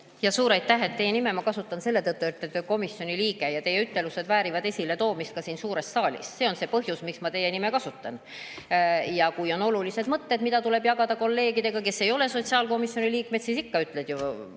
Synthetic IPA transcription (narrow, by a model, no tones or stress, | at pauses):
jɑsuːɾɑjt̪ːæɦe̞t̪ːe̞je̞nime̞mɑkɑsut̪ːˑɑnse̞lːet̪ɤt̪ːuyt̪ːˑed̪øko̞misjo̞niliːɡejɑt̪e̞jeyt̪ːe̞luse̞d̪væːɾivɑd̪e̞sʲile̞t̪o̞ːmist̪̚kɑsiːnsuːɾe̞sːɑːlʲḭsse̞o̞nse̞pɤɦjusmiksmɑt̪e̞je̞nime̞kɑsut̪ːˑɑn | jɑkujo̞no̞lulise̞d̪̥mɤt̪ːe̞d̪mid̪ɑt̪ule̞bjɑɡɑd̪̥ɑko̞lːe̞ːɡid̪e̞ɡ̥ɑke̞sːe̞jo̞le̞so̞t̪siɑːlko̞misjo̞niliːkme̞t̪sisikːɑyt̪ːˑled̪ju